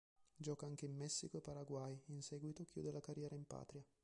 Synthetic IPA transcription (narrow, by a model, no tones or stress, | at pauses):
d͡ʒɔːkaaŋk̟eimːɛsːikoepːaɾaɡwajinsɛːɡwit̪ok̟jṵːd̪elakarːjɛːɾʔaimpa̰ːt̪ɾja